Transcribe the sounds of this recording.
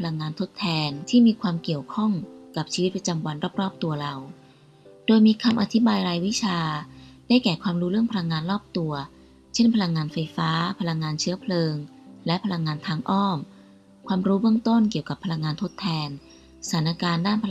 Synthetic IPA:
pʰa˧la˧ŋːaː˧nt̪ʰo˦˥t̪ʰːɛː˧nt̪ʰiː˥˩miː˧kʰwaː˧mki˨˩əwkʰɔ˥˩ŋka˨˩p̚t͡ɕʰiː˧wi˦˥pɾa˧t͡ɕa˧mwa˧nɾɔː˥˩p̚ɾɔː˥˩p̚t̪u˧ɐɾa˧w | doː˧jmiː˧kʰa˧mʔa˧t̪ʰi˦˥baː˧jɾaː˧jwi˦˥t͡ɕʰaː˧daː˥˩jkɛː˨˩kʰwaː˧mɾuː˦˥ɾɯ˥˩ŋpʰa˧la˧ŋːaː˧nɾɔː˥˩p̚t̪u˧ɐ | t͡ɕʰe˥˩npʰa˧la˧ŋːaː˧nfa˧jfaː˦˥pʰa˧la˧ŋːaː˧nt͡ɕʰɯ˦˥ɐpʰlɤː˧ŋlɛ˦˥pʰa˧la˧ŋːaː˧nt̪ʰaː˧ŋʔɔː˥˩m | kʰwaː˧mɾuː˦˥bɯ˥˩əŋt̪o˥˩nki˨˩əwka˨˩pʰːa˧la˧ŋːaː˧nt̪ʰo˦˥t̪ʰːɛː˧n | sa˩˦nʔa˧kaː˧ndaː˥˩npʰa˧

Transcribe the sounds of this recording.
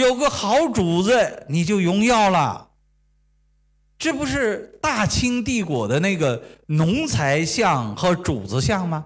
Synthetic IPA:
jo˨˩ʊɡə˧xɑ˧˥ʊʈ͡ʂu˨˩d͡zə˥˩ni˨˩t͡ɕjo˥˩ʊjʊ˥ŋjɑ˥˩ʊlə̰˨˩ | ʈ͡ʂ̩˥˩pu˧˥ʂɻ̩˥˧t̪a˥˩t͡ɕʰi˥ŋt̪̬i˥˩kwɔ̰˨˩d̪ə˦na˥˩ɪɡə˩nʊ˧˥ŋt͡sʰa˧˥ɪɕjɑ˥˩ŋxɤ˧˥ʈ͡ʂṵ˨˩d͡z̩˧˦ɕjɑ˥˩ŋmɐ˩

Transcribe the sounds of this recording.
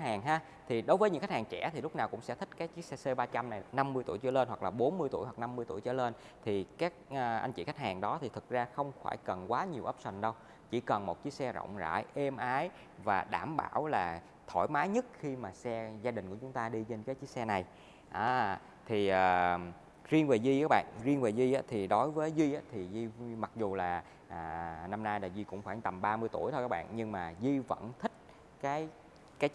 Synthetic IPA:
haː˨˩ŋɦaː˧ | t̪ʰi˨˩ɗo˨˦jvəː˨˦jɲɨ̰˧˥xk̚haː˨˩t͡ɕɛ̰˧˩t̪ʰi˨˩lʊ˦˥k͡p̚naː˨˩wkʊ̰˧˥ŋ͡msɛ̰˧˥t̪ʰï˦˥k̟̚kaː˨˦jt͡ɕi˦˥k̚sɛ˧sə˧ɓaː˧t͡ɕa˧mna˨˩jna˧mːɨ˧əjt̪u˧˩əjt͡ɕɨ̰˧˩˦le˧nɦwa˨˩klaː˨˩ɓo˨˦nmɨ˧əjt̪u˧˩jɦwa˨˩na˧mːɨ˧jt̪u˧˩əjt͡ɕɨ̰˧˨əle˧n | t̪ʰi˨˩kaː˦˥k̚ʔːʔa˧jŋ̟t͡ɕḭ˧˩xa˦˥k̟̚haː˨˩ŋɗɔ˨˦t̪ʰi˨˩ɨ˨˩k̚zaː˧xə˧wŋ͡mfa̰ː˧˩jkə˨˩nkwaː˨˦ɲi˨˩əwʔəː˦˥p̚swa˨˩ŋ̟ɗə˧w | t͡ɕi˧˩kə˨˩nmo˨˩t̚t͡ɕi˨˦˥k̚sɛ˧zə̰˧˨wŋ͡mza̰ː˧˩˨jʔe˧mʔaː˨˦j | vaː˨˩ɗaː˧˩mɓa̰ː˧˩wlaː˨˩ | t̪ʰo̰˧˩jmaː˨˦jɲə˦˥t̚xi˧maː˨˩sɛ˧zaː˧ɗï˨˩ŋ̟ku˧˩ət͡ɕʊ˨˦ŋ͡mt̪aː˧ɗi˧t͡ɕe˧nkaː˨˦jt͡ɕi˦˥k̚sɛ˧na˨˩j | ʔaː˨˧˩ | t̪ʰi˨˩ʔəː˨˩ | zi˧ənve˨˩ziː˧˦˥ɓa̰ː˧˨nzi˧ənveː˨˩zi˧ʔaː˨˦t̪ʰi˨˩ɗo˨˦jvəː˨˦jzi˧ʔaː˨˦t̪ʰi˨˩zi˧ma˨˩k̚zu˨˩laː˨˩ | ʔaː˨˩na˧mnaː˧jɗaː˨˩jzi˧kʊ̰˧˥ŋ͡mxwaː˧˩ŋt̪ə˨˩mɓaː˧mɨ˧jt̪u˧˩əjt̪ʰo˧kaː˦˥ɓ̰ːnɲɨ˧ŋmaː˨˩zi˧və̰˧˩nt̪ʰï˦˥k̟̚ | kaː˨˦j | kaː˨˦j

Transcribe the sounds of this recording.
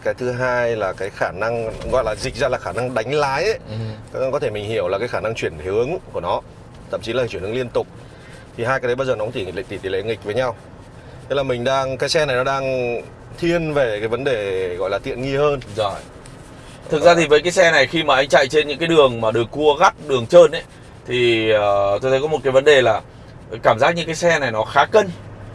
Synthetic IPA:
kaː˨˦jt̪ʰɨ˨˦ɦaː˧jlaː˨˩kaː˨˦jxaː˧˩na˧ŋɣɔ̰˧˨jlaː˨˩zi˨˩k̚zaː˧laː˨˩xaː˧˩na˧ŋɗa˨˦jŋ̟laː˨˦jʔə˨˦kɔ˨˦t̪ʰe˧˩mï˨˩ŋ̟hi˧˩əwlaː˨˩kaː˨˦jxaː˧˩na˧ŋt͡ɕwi˧˩ənhɨ˨˦əŋku˧˩nɔ˨˦ | t̪ʰə̰˧˨t͡ɕi˨˦laː˨˩˨t͡ɕwə˩n˨˦li˧ənt̪ʊ˨˩k͡p̚ | t̪ʰi˨˩ɦaː˧jkaː˨˦ɗə˨˦jɓaː˧zəː˨˩n˨˦t̪i˧˩˨l̰̚t̪i˧˩t̪i˨˧˩lḛ˧˩ŋi˨˩k̟̚vəː˨˦jɲa˧w | t̪ə˦˥laː˨˩mï˨˩ŋ̟ɗaː˧ŋkaː˨˦jsɛ˧na˨˩jnɔ˨˦ɗaː˧ŋ | t̪ʰi˧ənve˨˩kaː˨˦jvə˨˦nɗe˨˩ɣɔ̰˧˨jlaː˨˩t̪ḭ˧˨ənŋi˧həː˧nzɔ˧˨˩ | ɨ˨˩k̚zaː˧t̪ʰi˨˩vəː˨˦jkaː˨˦jsɛ˧na˨˩jxi˧maː˨˩ʔa˧jŋ̟t͡ɕa̰˧˨jt͡ɕe˧nɲɨ̰˧˥ŋkaː˨˦jɗɨ˨˩əŋmaː˨˩ɗɨ˨˩əkːu˧əɣa˦˥t̚ɗɨ˨˩əŋt͡ɕəː˧nʔə˨˦j | t̪ʰi˨˩əː˨˩t̪o˧jt̪ʰə˨˦kɔ˨˦mo˨˩kaː˨˦və˨˦nɗe˨˩laː˨˩ | kaː˧˩mzaː˦˥k̚ɲɨ̰˧˥ŋkːaː˨˦jsɛ˧na˨˩jnɔ˨˦xaː˨˦kə˧n

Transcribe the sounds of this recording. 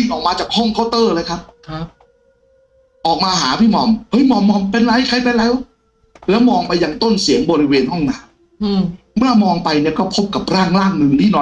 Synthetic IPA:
i˧ŋʔɔː˨˩k̚maː˧t͡ɕaː˨˩k̚hɔ˥˩ŋkʰa˥˩wt̪ɤː˥˩lɤː˧jkʰa˦˥p̚ʰ | ʔɔː˨˩k̚maː˧ɦaː˩˦pʰiː˥˩mɔː˧˩mhɤ˦˥jmɔː˧˩mːɔː˧˩mpe˧nla˧˥jkʰa˧jpe˧nlɛː˦˥w | lɛː˦˥wmɔː˧ŋpa˧jːaː˧ŋt̪o˥˩nsi˨˩˦əŋbɔː˧ɾi˦˥weː˧nhɔ˥˩ŋnaː˦˥m˦˥ | mʰaː˥˩mɔː˧ŋpa˧jni˥˩ɐkɔː˥˩pʰo˦˥p̚ka˨˩p̚ɾaː˥˩ŋlaː˥˩ŋnɯ˨˧˩ŋt̪ʰiː˥˩nɔː˧˥

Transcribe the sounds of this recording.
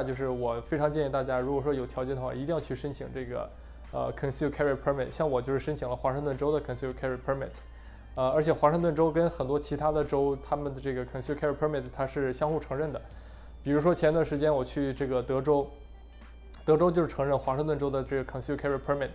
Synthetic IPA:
t͡ɕjo˧ʊʂɻ̩˥˩wɔ˨˩fe˥ɪʈ͡ʂʰɑ˧˥ŋt͡ɕjɛ˥˧ni˧t̪a˥˩t͡ɕja˥ɻu˧˥kwɔ˨˩ʂwɔ˥jo˨˩ʊt̪ʰjt͡ɕɛ˥˩nd̪ə˩xwa˥˩i˧˥t̪i˥˧ŋjɑ˥˧t͡ɕʰy˥˩ʂə˥nt͡ɕʰḭ˨˧˩ŋʈ͡ʂɤ˥˩ɡə̰˩ | ə̰˧kʰə˨˩nsu˧˩kʰɛ˥ɹə˥˩pʰə˧˥mɪ˥˩tɕjɑ˥˩ŋwɔ˨˩t͡ɕjʊʂɻ̩˥˩ʂə˥nt͡ɕʰi˨˩˥ŋlə˧xwa˧˥ʂɻɤ˥˧ŋt̪wə˥˩nʈ͡ʂo˥ʊd̪ə˨kʰə˨˩nsu˥˧˩kʰɛ˥ɹpʰə˧˥mɪ̰˥˩tʰ | ə˧ə˞˧˥t͡ɕʰjɛ˨˩xwa˧˥ʂɤ˥˧ŋt̪wə˥˩nʈ͡ʂo˥ʊkə˥nxə˨˩nt̪̬wɔ˥t͡ɕʰi˧˥t̪ʰa˥d̪ə˨ʈ͡ʂo˥ʊt̪ʰa˥mə˨nd̪ə˩ʈ͡ʂɤ˥˩ɡə˩kʰə˨˩nskʰɛ˥ɹpʰə˧˥mɪ˥˩tʰt̪ʰa˥ʂɻ̩˥˩ɕjɑ˥ŋxu˥˩ʈ͡ʂʰɤ˧˥ŋɻə˥˩nd̪ə˩ | pi˨˩ɻu˧˥ʂwɔ˥t͡ɕʰjɛ˧˥nt̪wa˥˩ʂɻ̩˧˥t͡ɕjɛ˥nwɔ˨˩t͡ɕʰy˥˧ʈ͡ʂɤ˥˩ɡə˩t̪ɤ˧˥ʈ͡ʂo˥ʊ | t̪ɤ˧˥ʈ͡ʂo˥ʊt͡ɕjʊʂɻ̩˥˧˩ʈ͡ʂʰɤ˧˥ŋɻə˥˩nxwa˧˥ʂɤ˥˧t̪wə˥˩nʈ͡ʂo˥ʊd̪ə˨˩ʈ͡ʂɤ˥˩ɡə˩kʰə˨˩nskʰɛ˥ɹə˥˩pʰə˧˥mɪ˥˩t

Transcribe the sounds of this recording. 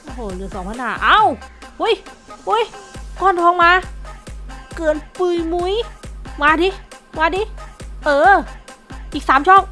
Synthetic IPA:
hoː˧˩lɯ˨˦əsɔː˨˩˦ŋpʰaː˧˥nhaː˧˩ʔaː˧˥˩whu˧˥˨jhu˧˥˨jkɔː˧˩˨nt̪ʰɔː˧ŋmaː˧ | kɯː˧˩ənpɯː˧jmu˧˥jmaː˧diː˧maː˧diː˧ʔɤː˧˩ | ʔiː˨˩k̚saː˨˦mt͡ɕʰɔː˥˩k̚

